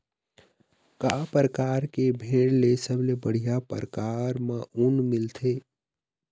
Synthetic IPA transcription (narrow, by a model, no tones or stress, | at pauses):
kapəɾəkaːɾkebʱeɽlesəblebəɽ̤ijapə̰ɾəkaːɾmə̃ʔunmɪlt̪ʰe